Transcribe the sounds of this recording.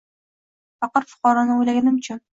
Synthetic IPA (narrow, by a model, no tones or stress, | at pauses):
fɑqɤɾfʊ̥qɑɾɒnɪojlaɡʲanɪmt͡ʃʰa